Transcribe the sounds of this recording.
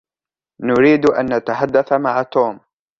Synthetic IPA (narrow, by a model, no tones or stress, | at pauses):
nʊɾiːd̪ʔa̰nːat̪aħad̪ːaθamaʕat̪oːm